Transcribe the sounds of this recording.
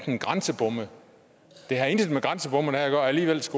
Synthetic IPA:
d̥nɡ̥ʁansəb̥ɔ̽m̰ə | d̥e̝ɦæe̝nd̥d̥meɡ̥ʁɑ̈nsəb̥ɔ̽m̰nhæɐɡ̥ɶɐæliːʋel̰sɡ̥o

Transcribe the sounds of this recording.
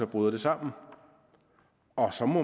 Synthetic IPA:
ɒb̥ʁuðˠd̥e̝sɑ̈m̰n̩ | ɒ̽sɒ̽mɔ

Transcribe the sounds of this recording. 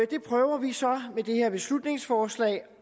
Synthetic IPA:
d̥e̝pʰʁœːʊɐʋisɒ̽med̥e̝he̝ɐ̰b̥e̝slud̥ne̝ŋsfɒːslɛ̰ːɪ

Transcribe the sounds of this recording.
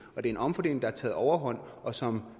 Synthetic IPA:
ɒ̽d̥e̝ɐe̝nɒ̽mfɒ̽de̝ːle̝ŋ̩dɑæɐt͡sʰɛ̰ːð̩ˠɒʊɐɦɒ̽n̰ɒ̽sɒ̽m

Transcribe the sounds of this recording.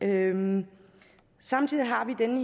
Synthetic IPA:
ø | sɑ̈mt͡sʰið̰ˠiɦɑ̈ʋid̥enə

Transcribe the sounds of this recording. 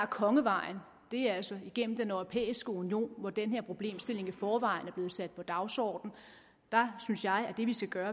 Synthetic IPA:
kʰɒ̽ŋəʋɑ̈ɪn | d̥e̝ææl̰sɒiɡ̥en̰m̩d̥enœʊʁo̝pʰḛːisɡ̥əunio̝̰ːnʋɒd̥enɦeɐ̰pʰʁo̝b̥le̝̰ːmsd̥e̝le̝ŋifɒːʋɑ̈ɪnæɐb̥le̝ð̩ˠsæd̥̚pʰɒ̽d̥ɑ̈ʊsɒ̰ːd̥n̩ | d̥ɑ̈synsjɑ̈ɪæd̥e̝ʋisɡ̥æɡ̥ɶːɐ

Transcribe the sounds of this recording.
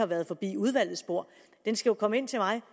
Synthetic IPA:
ɑ̈ʋæːɐð̞̩ˠfɒ̽b̥ḭːuð̞ˠʋæl̰ð̩ˠsb̥o̝ɐ̰ | d̥ensɡ̥æjo̝kʰɒ̽məe̝n̰t͡sʰe̝mɑ̈ɪ

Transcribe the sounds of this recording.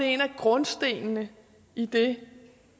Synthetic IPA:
ee̝næɡ̥ʁɔ̽nsd̥e̝̰ːnnə | id̥e̝

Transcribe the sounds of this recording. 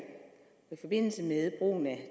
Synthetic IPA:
ɒifɒ̽b̥e̝n̰l̩səmeðˠb̥ʁṵːnæ

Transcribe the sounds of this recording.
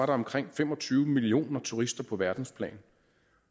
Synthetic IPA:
ɑ̈ɾɑ̈ɒ̽mkʰʁeŋ̰fem̰ɒ̽t͡sʰyːʊmilio̝̰ːnɐt͡sʰuʁisd̥ɐpʰɒ̽ʋæɐd̥n̩spʰlɛ̰ːn

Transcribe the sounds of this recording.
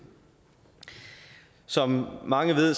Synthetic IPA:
sɒ̽mːɑ̈ŋəʋeð̰ˠs

